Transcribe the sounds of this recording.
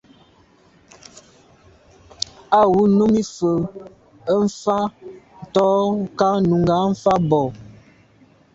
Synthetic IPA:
a˨wu˦nu˦mi˦fə˨ | ə˦m̩˦fa˦n̩˨tɔ˦ka˦nu˨ŋɡa˨˦ɱ̩˦fa˦bɔ˨

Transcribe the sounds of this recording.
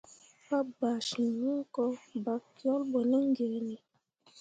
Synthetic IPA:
pa˦ba˨ʃi˨ɲɔ˦kɔ˦ba˨˦kjɔ˦lbɔ˨nɛ˦ŋ˦ɡe˨ni˨

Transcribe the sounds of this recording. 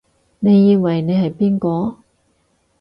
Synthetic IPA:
ne˨˧jːiː˧wɐ˨jne˨˧jɦɐ˨jpiː˥nkɔː˨˧

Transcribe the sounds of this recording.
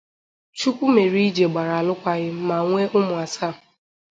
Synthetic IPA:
t͡ʃu˦kʷʊ˦me˨ɾi˦i˦d͡ʒe˨ɡ͡ba˨ɾa˨a˨lʊ˦kʷa˦ɣɪ˦m̩˦ma˨ŋʷe˦ʔʊ˦mʊ˨a˨sa˦˨

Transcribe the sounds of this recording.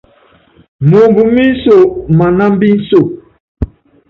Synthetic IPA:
mo˨mbu˨mi˦n̩˦so˦˨ma˨na˦m˦bi˦n̩˦so˦˨

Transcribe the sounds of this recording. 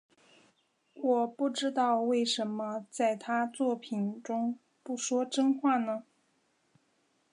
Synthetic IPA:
wɔ˨˩pu˥˩ʈ͡ʂɻ̩˥t̪ɑ˥˧ʊwe˥˩ɪʂə˧˥nmə˧t͡sa˥˩ɪt̪ʰa˥t͡swɔ˥˩pʰi˨˩nʈ͡ʂʊ˥ŋ | pu˥˩ʂwɔ˥ʈ͡ʂɤ˥ŋxwa˥˩nə˩

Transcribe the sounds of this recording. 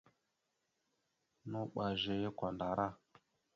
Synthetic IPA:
nu˦k͡pa˨ʒe˨jkʷa˨n˨da˨ɾa˦˨

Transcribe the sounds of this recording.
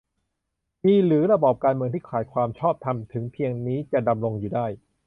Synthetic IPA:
miː˧ɾɯː˩˦ɾa˧bɔː˨˩p̚kaː˧nmɯ˧ŋt̪ʰiː˥˩kʰaː˩˦jkʰwaː˧mt͡ɕʰɔː˥˩p̚t̪ʰa˧mt̪ʰɯ˩˦ŋpʰi˧əŋniː˦˥t͡ɕa˨˩da˧mɾo˧ŋjuː˨˩daː˥˩j

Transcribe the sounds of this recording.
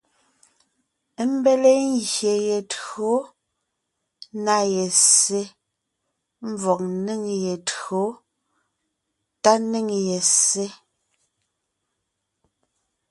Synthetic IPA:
m̩˦be˦le˦ŋ˦ɡje˨je˨tɰo˨˦ | na˦˨je˨se˦ | m˦vɔ˨k̚ni˦˨ŋje˨tɰo˨˦ | ta˦ni˦˨ŋje˨sse˦

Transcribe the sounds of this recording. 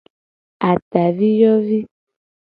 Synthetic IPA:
a˨ta˨vi˦jɔ˦vi˦

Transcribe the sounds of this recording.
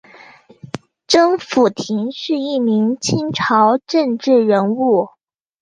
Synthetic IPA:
ʈ͡ʂɤ˥ŋfu˨˩t̪ʰi˧˥ŋʂy˥˧i˥˩mi˧˥ŋt͡ɕʰi˥ŋʈ͡ʂʰɑ˧˥ʊʈ͡ʂɤ˥˧ŋʈ͡ʂɻ̩˥˩ɻə˧˥nu˥˩

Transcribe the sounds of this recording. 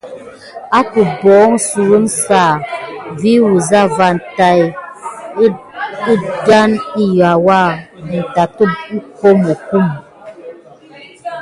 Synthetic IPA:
a˦ku˨bɔ˨˦ŋ˦su˨ɣə˦n̩˦saː˦˨vi˦wu˨za˦˨va˨n̩˨ta˦j | i˦da˦ni˦ɣa˨wa˦˨n̩˨ta˨tə˦ko˦mo˨ku˦˨m

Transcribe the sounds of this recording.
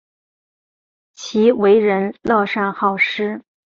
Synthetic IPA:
t͡ɕʰi˧˥we˧˥ɪɻə˧˥nlɔ˥˧ʂa˥˧nxɑ˥˩ʊʂɻ̩˥

